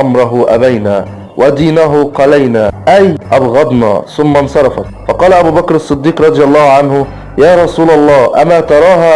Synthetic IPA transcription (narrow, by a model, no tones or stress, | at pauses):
ʔamɾˤɑɦʊʔabajnaː | wʔad̪iːnaɦʊqɑlajnaːʔajʔɑbɣɑd̪nɑ̰ːθʊmːansɑɾˤɑfat̪fɑqɑːlaʔabuːbakɾɑsˤːɨd̪ːiːqɾˤɑd̪ˤɨjɑlˤːɑːhʕanhʊ | jaːɾˤɑsuːlɑlˤːɑːʔamaːt̪ɑɾˤɑːɦaː